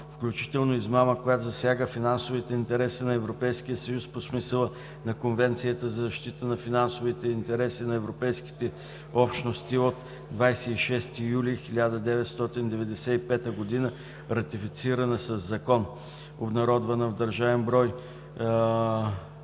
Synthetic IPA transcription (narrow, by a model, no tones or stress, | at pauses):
fklʲut͡ʃi̥t̪ɛlˠnoizmaməkojat̪ʊzɐsʲjaɡəfinansovit̪ɛint̪ɛɾɛsinɐɛvɾopɛjsk̟ijəsɐjusposmisəlˠə | nɐkonvɛnt̪sijət̪əzɐzɐʃt̪it̪ənɐfinansovit̪ɛint̪ɛɾɛsinɐɛvɾopɛjski̥t̪ɛ | ɔpʃnost̪iot̪ | d̪vajsɛiʃɛst̪ijulixilʲad̪əd̪ɛvɛt̪st̪ɔt̪ind̪ɛvɛd̪ɛsɛipɛt̪əɡod̪inə | ɾɐt̪ifit̪siɾənəsɐzːɐkɔn | obnɐɾɔd̪vənɐvd̪ɐɾʒavɛmbɾɔj